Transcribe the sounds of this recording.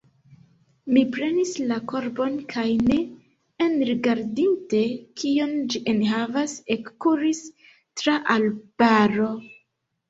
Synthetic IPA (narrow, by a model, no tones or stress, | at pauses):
mipɾe̞nislako̞ɾbo̞nkʰajne̞ː | nɾiɡaɾdinte̞kiond͡ʒiʔenɦavase̞kkuɾis | tɾaʔalb̥aɾo̞